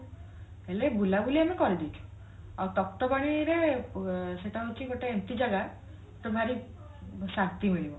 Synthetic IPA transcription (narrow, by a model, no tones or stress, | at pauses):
elebulabuliamikɔɾid̪it͡ʃʰu̥ | awt̪ɔk̚t̪ɔbaɽ̃iɾe | seʈaɦut͡ʃʰiɡoʈeent̪id͡ʒaɡa | ʈɔbʱaɾi | saɾt̪imiɭibɔ